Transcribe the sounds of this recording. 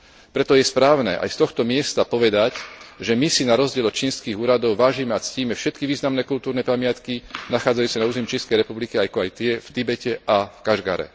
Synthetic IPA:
pɾɛt̪ɔjɛspɾaːʊnɛ̰ʔa̰jst̪ɔxt̪ɔmɪɛst̪apɔʋɛd̪acʒɛmisinaɾɔzɟɪɛlɔt̪t͡ʃiːnskiːɣuːɾad̪ɔʊʋaːʒimɛat͡sciːmɛfʃɛt̪kiʋiːznamnɛkult̪uːɾnɛpamɪat̪kinaxaːd͡zajuːsanauːzɛmt͡ʃɛskɛjɾɛpublikiajkɔajt̪ɪɛft̪ibɛcɛʔafkaʒɡa̰ɾɛ̰

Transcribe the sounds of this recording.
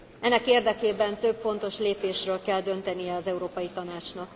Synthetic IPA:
ɛnːɛkeːrd̪ɛkeːbɛnt̪ø̞bfo̞nt̪o̞ʃleːpeːʃrøːlkɛld̪ø̞nt̪ɛnijɛɒzɛuɾoːpɒjit̪ɒnaːt͡ʃnɒk

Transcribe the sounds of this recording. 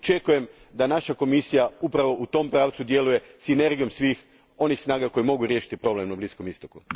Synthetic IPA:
t͡ʃe̞kuje̞m | d̪anaʃako̞misijaupɾaʋo̞ʔut̪o̞mpɾaːʋt̪sud̪je̞luje̞sine̞ɾɡijo̞msʋiːx | o̞nixsnaːɡako̞jimo̞ɡuɾjeʃi̥t̪ipɾo̞ble̞mnablisko̞mist̪o̞ku

